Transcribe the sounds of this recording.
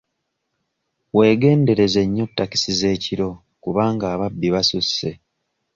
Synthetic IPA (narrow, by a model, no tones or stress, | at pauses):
we̞ːɡe̞ːnde̞ɾe̞ze̞ɲːo̞tːaki̥size̞ːciɾo̞ | kuβaːŋɡaːβabːiβasusːe̞